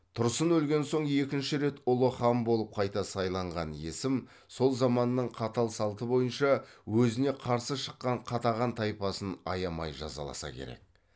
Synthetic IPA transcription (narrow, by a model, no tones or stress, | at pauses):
t̪ʰʊɾəsənɵlɡʲe̞nso̞ɴe̞kʲɪnʃɪɾe̞t̪ʊlˠəχɑmbo̞lˠəp̚qʰɑjt̪ɑsɑjlˠɑɴʁɑnje̞̰sɪm | so̞lˠzɑmɑnːəɴqʰɑt̪ɑlˠsɑlˠt̪əbo̞jənʃɑwɵzɪne̞qʰɑɾsəʃə̥qːɑɴqʰɑt̪ɑʁɑnt̪ʰɑjpɑsənɑ̰jɑmɑjʒɑ̰zɑ̰lˠɑ̰sɑ̰kʲʰe̞̰ɾḛk̚